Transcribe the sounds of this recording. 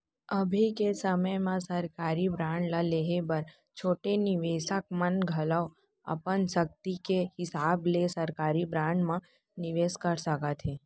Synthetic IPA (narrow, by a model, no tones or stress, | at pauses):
ɐbʱikesəməjmãsɐɾkaːɾibɾãːɳɖlaleːɦebəɾ | t͡ʃʰoːʈenɪʋeːʃək̚mənɡʱɐlao | ɐ̰pənsək̚t̪ikehɪsaːblesɐɾkaːɾibɾãːɳɖmã | nɪʋeːskəɾsəkat̪ʰeː